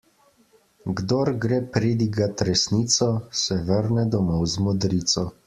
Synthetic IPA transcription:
ɡd̪oɾɡɾeːpɾeːd̪iɡat̪ɾɛsniːt̪sɔsɛʋəɾnɛd̪ɔmɔwzmɔd̪ɾiːt̪sɔ

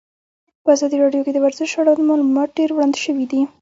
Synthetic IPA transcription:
pəazɑd̪iɾɑɖjoked̪əwaɾzɪʃaɽawləmɑlumɑt̪̚ɖeɾwɽɑnd̪ʃəwid̪i

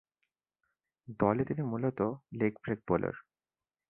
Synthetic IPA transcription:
d̪ɔlet̪inimulot̪olekbɾeɡ̚bolo̰ɾ

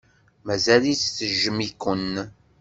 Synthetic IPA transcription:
mæzælit͡sθəʒəmikən

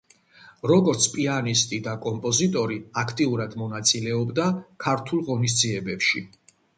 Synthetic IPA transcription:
ɾɔɡɔɾt̪sʰpʼianist̪ʼid̪akʼɔmpʼɔzit̪ʼɔɾiakʰt̪ʼiuɾad̪mɔnat̪sʼilɛɔbd̪akʰaɾt̪ʰulˠʁɔnis̬d̪ziɛbɛpʃḭ

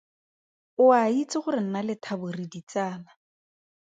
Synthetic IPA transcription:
ʊait͡sɪχʊɾɪn̩nalɪtʰabʊridit͡saːla

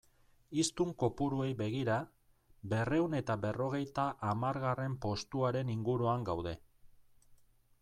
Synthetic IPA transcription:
ist̪uŋko̞puɾue̞jbe̞ɣ̞iɾa | be̞re̞uwne̞t̪aβe̞ro̞ɣ̞e̞jt̪aʔːmaɾɣare̞mpo̞st̪uaɾe̞niŋɡuɾuaŋɡawð̞e̞

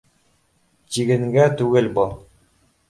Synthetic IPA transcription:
t͡ɕiɡɘ̆ŋɡæt̪ʉɡɘlbɤ

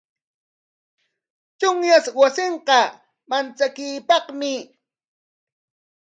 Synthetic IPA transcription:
t͡ʃʊŋjaswasɪɴqɑ | mant͡sakɪjpɑχmɪ

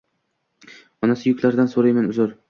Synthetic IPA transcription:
ɒnasɪjʊkʲlaɾd̪ansoɾajmanʊzʊɾ

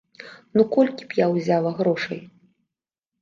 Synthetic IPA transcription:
nukɔlʲkʲi̥pjawzʲalˠɐɣɾɔʂɐ̰j

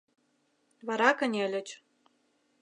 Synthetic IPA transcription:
βɑɾɑkə̆nʲĕlʲɘ̆t͡ɕ

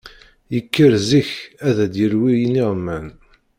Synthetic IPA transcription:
jəkːəɾziçæðæd̪jəɾwijənːiʁmːæn

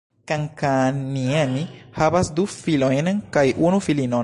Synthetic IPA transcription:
kaŋkanienihavasd̪ufilojnkajʔunufilinon

